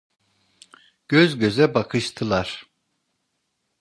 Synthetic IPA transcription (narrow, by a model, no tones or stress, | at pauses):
ɟ̥øzɟø̞zɛbakʰɯʃt̪ʰɯlˠaɾ̥